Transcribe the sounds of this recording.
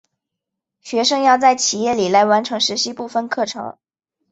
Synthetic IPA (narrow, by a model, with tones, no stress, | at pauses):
ɕɥɛ˧˥ʂɤ˥ŋjɑ˥˧ʊt͡sa˥˩ɪt͡ɕʰi˨˩jɛ˥˩li˨˩la˧˥ɪwa˧˥nʈ͡ʂʰɤ˧˥ŋʂɻ̩˧˥ɕi˥pu˥˧fə˥˧nkʰɤ˥˩ʈ͡ʂʰɤ̰˧˥ŋ